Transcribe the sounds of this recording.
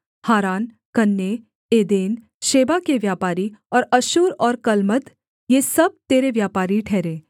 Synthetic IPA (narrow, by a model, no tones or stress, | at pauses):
haːɾaːn | kɐnːe | eːd̪eːn | ʃeːbakeʋjaːpaːɾiɔːɾɐʃuːɾɔːɾkɐlmət̪ | jeːsɐb̚t̪eːɾeʋjaːpaːɾiʈʰɛːɾẽː